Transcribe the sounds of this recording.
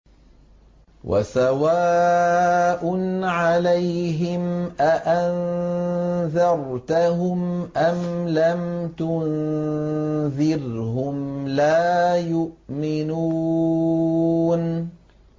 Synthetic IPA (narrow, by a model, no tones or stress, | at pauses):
wʔa̰sawaː | ʔʊnʕalajɦɪmʔaʔan | ðɑɾˤt̪aɦʊmʔamlamt̪ʊn | ðɪɾhʊmlaːjʊʔmɪnuː | n